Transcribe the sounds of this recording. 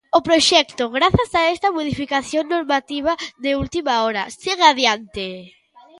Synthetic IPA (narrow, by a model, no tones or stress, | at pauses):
ʊpɾoʃɛkt̪oɣɾaθasaɛst̪ɐmoð̞ifikaθjoŋnoɾmat̪iβ̞aðɪult̪imaɔɾasiɣaðjant̪ɪ